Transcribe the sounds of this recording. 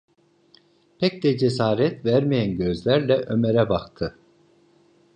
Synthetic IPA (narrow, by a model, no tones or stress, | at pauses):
pʰɛc̚d̪ɛd͡ʒesaːɾɛt̪væɾmijænɟø̞zlʲæɾlʲɛʔø̞meɾɛbakt̪ʰɯ